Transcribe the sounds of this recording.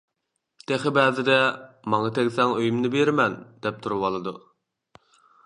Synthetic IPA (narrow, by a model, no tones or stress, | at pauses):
t̪ʰeχɪbɛːzɪd̪ɛ | mɑŋɑt̪ʰɛɡʲsɛŋøjymnɪbeɾmɛnd̪̥ɛp̚t̪ʰuɾuwɑlˠɨd̪u